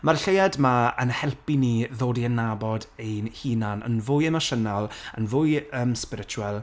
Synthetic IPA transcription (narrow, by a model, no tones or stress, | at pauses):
marɬejadmaənhɛlˠpiniːðoːdiənːabɔdejnhiːnanə̰nvʊjɛmaʃənalˠənvʊjəːmspɪɾɪt͡ʃʰuwɛlˠ